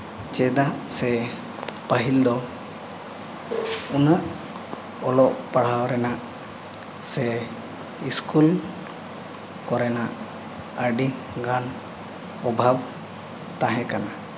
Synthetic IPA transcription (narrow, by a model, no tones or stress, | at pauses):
t͡ʃɛd̪aʔsɛ | pəɦild̪ɔ | unaʔ | ɔlɔʔpaɽ̤awɾɛnaʔ | sɛ | iskul | kɔɾɛnaʔ | əɖi | ɡan | ɔbʱab | t̪ãɦɛ̃kana